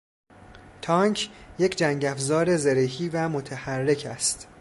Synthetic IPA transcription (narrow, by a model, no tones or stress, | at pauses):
t̪ʰɒŋkʰjecʰd͡ʒæŋɟæfzɒːɾe̞zeɾehiːvæmo̞t̪ʰehærːe̞cʰæ̰st̪